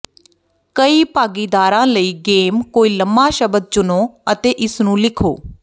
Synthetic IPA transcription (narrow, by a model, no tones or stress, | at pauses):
kəiːpaːɡiːd̪aːɾãːləiːɡeːmkoːiːləmːaːʃəbəd̪̚t͡ʃʊnoːət̪eːʔɪsnũːlɪkʰo̰ː